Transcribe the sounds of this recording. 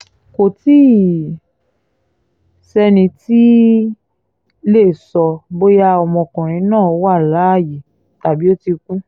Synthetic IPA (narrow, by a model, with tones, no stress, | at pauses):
ko˨ti˦ | sɛ˧nĩ˧ti˦ | le˦˨sɔ˧bo˦ja˧ɔ˨mɔ̃˧˨kɔ̃˨ɾ̃ĩ˧˦nãː˦˨o˨˦wa˦˨la˨˦˨ji˨˦ | ta˨bi˦o˦ti˧ku˦